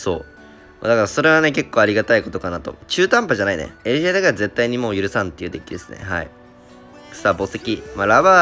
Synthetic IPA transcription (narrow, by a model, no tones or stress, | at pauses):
so̞̰ː | ma̰d̪akaɾaso̞ɾe̞βane̞k̬e̞kːo̞ːaɾʲiɡat̪aiko̞t̪o̞kanat̪o̞̰t͡ɕɨːt̪ãmpaʑanainḛeʑeːd̪akaɾaze̞t̪ːaiɲ̟imo̞ːjɯ̟ɾɯ̟sãnt̪eiɯ̟ːd̪e̞kʲid̪e̞sɨ̥ne̞̰ɦa̰ḭ̥ | sabo̞sekʲimaɾaβa